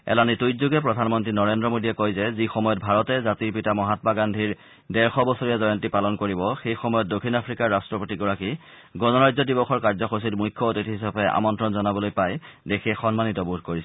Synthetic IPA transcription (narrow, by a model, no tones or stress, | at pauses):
ɛ̰lanitojzuɡɛpɹɔdʱanmɔntɹinɔɹendɹɔmodiɛkojzɛzixɔmɔjɔt̚bʱaɹɔtɛzatiɹpitamɔɦatɔmaɡandʱiɹ | dɛɹxɔbɔsoɹijazɔjɔntipalɔnkoɹibɔxejxɔmɔjɔt̚dokʰːinapʰɹikaɹːastɹɔpotiɡɔɹaki | ɡɔnɔɹajzɔdibɔxɔɹkaɹzɔxos̬itmujkʰːɔotitɦisapɛʔa̰mɔntɹɔnzɔnabɔlojpajdexʰiɛxɔnmanitɔbudʱkoɹisɛ